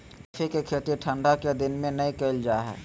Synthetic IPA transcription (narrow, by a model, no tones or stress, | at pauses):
fʰikekʰet̪iʈʰə̃ɳɖaked̪ɪnmẽnəĩkeɪld͡ʒaːɦɛ̰ː